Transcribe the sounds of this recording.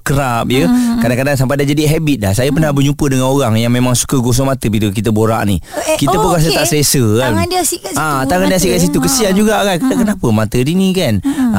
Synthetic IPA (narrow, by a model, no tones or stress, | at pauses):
kəɾap̚jəkadaŋkadaŋs̬ampajdad͡ʒadiɦɛbit̪̚dasajəpənahbəɲupədəŋanoɾaŋjaŋmemaŋsu̥kəɡos̬ɔŋmat̪əbilək̬it̪əboɾa̰ʔnḭkiəpʊnkas̬əaʔsəlesəansikat̪aŋandias̬iʔkaʔs̬it̪ukəsiand͡ʒuɡaɡajkədakənapəmat̪ədinikan